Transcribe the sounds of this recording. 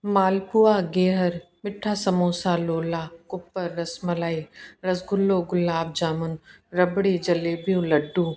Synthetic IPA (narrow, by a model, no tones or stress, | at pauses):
maːlpuaːɡeːɦəɾ | mɪʈʰːaːsɐmoːsaloːlaːkʊpːəɾːɐsmɐlaːiɾɐsɡʊlːoɡʊlːaːb̚d͡ʒaːmʊnɾɐbɽid͡ʒɐleːbijũlɐɖːuː